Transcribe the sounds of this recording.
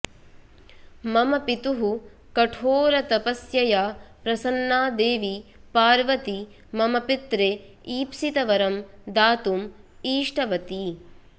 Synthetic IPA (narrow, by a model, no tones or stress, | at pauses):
mɐmɐpit̪uɦu | kɐʈʰoːɾɐt̪ɐpɐsjɐjaːpɾɐsɐnːaːd̪eːʋipaːɾʋɐt̪i | mɐmɐpit̪ɾeː | iːpsit̪ɐʋɐɾɐmd̪aːt̪umiːʂʈɐʋɐt̪i